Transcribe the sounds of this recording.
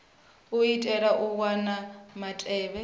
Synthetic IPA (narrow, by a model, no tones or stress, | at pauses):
uitʼɛɺaʔuwwanamatʼɛːβɛ